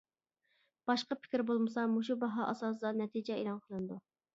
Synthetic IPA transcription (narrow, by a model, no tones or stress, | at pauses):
b̥ɑʃqəpʰɪ̥kʲɾbolˠmɨsɑmoʃ̬ubɑɦɑʔɑ̰sɑːs̬ɨd̪ɑnɛt̪ʰid͡ʒɛelˠɑnqʰəlˠɨnɨd̪u